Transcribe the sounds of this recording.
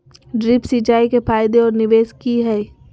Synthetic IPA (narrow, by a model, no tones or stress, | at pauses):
ɖɾɪpsit͡ʃaːikepʰaːjd̪eɔːɾnɪʋeːskiɦɛ